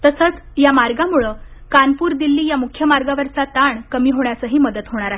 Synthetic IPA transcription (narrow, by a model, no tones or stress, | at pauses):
t̪əsət͡s | jamaɾɡamuɭəkanpuːɾd̪ilːiːjamukʰjəmaɾɡaʋəɾt͡sat̪aɳkəmiːɦoɳ̃jat͡səɦiːməd̪ət̪ɦoɽ̃aɾaɦe